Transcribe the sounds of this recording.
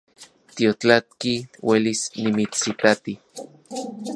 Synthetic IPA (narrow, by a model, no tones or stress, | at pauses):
t̪iot͡ɬat̪̚kiwelisnimit͡sːitat̪i